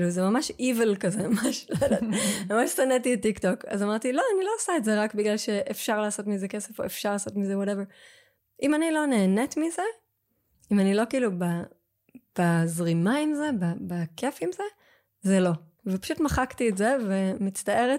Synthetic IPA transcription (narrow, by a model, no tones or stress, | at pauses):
luzemamaʃivelkɐzemmaʃlojdamamaʃsanetitikto̞ka̰zamaʁt̪ilo̞anilo̞asaetze̞ʁakbiɡlalʃe̞ʔefʃaʁlaːso̞tmizekesefo̞̰efʃaʁlaːsotmizewateveʁ | ʔimanilo̞neːnetmize̞ | imanilo̞kiiːluba | b̥azʁimaimze̞babakʰefimze | zelo̞ | vepḁʃutmaχaktietze̞ve̞mit͡stɐʔe̞ʁet̚